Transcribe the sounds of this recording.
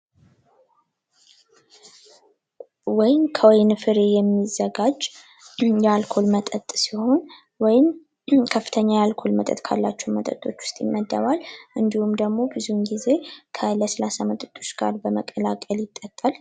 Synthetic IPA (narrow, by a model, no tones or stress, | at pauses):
wɔjɪmkʰəwɔjnfɨɾejɛmːizːəɡad͡ʒ | jɛalkʰo̞lmət̪ʼət̪ʼsiho̞n | wɔjɪm | kʰəfːɨt̪ʰəɲːajalkʰo̞lmət̪ʼə̰t̪kʰa̰lːat͡ʃːɛwmət̪ʼə̰t̪ʼːo̞t͡ʃːwʊ̥st̪ʼjɪmːəd̪ːəβalʔɨnd̪ihumd̪əɡmo̞bɨzunɡize̞kʰələsəlasamət̪ʼət̪ʼot͡ʃɡ̥aɾbəməkʼəlakʼəljɪt̪ʼːət̪ʼːal